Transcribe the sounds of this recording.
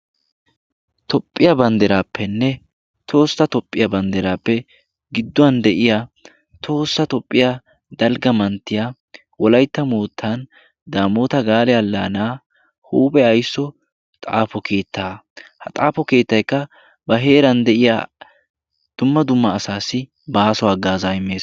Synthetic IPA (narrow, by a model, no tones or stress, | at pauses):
t̪ʰɔpʼːɪjabɐnd̪ɛɾaːpʰːɛnːɛ | t̪ʰo̞ːsːɐt̪ɔpʼːɪjɐbɐnd̪ɛɾaːpːɛ | ɡɪd̪ːʊɐnd̪ɛʔɪja | t̪ʰo̞ːsːɐt̪ɔpʼːɪja | d̪ɐlɡɐmɐnt̪ːɪjaː | wɔlɐjt̪ːɐmoːt̪ʰːan | d̪aːmoːt̪ɐɡaːlɛɐlːaːnaː | huːbʼɛɐjsːɔ | t̪ʼa̰ːfɔkʰe̞ːt̪ʰːaːhɐt̪ʼaːfɔke̞ːt̪ːɐjkːɐ | bɐɦe̞ːɾɐnd̪ɛʔɪja̰ː | d̪̥ʊmːɐd̪ʊmːɐːsaːsːɪ | baːsɔaːɡaːzaːjɪmːe̞ːs